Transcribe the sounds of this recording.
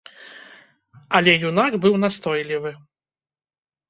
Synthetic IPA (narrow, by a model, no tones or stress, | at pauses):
ɐlʲɛjunaɡbɨwnast̪ɔjlʲivɨ